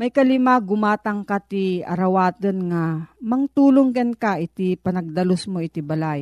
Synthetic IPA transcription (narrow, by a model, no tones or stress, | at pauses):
mɐjkɐlɪmaɡʊmaːt̪ɐŋkat̪iɐ̰ɾɐwaːt̪ənŋamɐŋt̪uːloŋɡɐnkaʔɪt̪ipɐnɐɡ̚d̪ɐlosmoɪt̪ɪbɐlaj